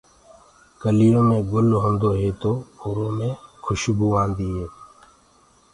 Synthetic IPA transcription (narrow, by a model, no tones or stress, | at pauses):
kəlɪjõːmẽːɡʊlɦõnd̪oːɦeːt̪oːoːɾõːmẽːkʰʊʃbuːãːnd̪iːɦeː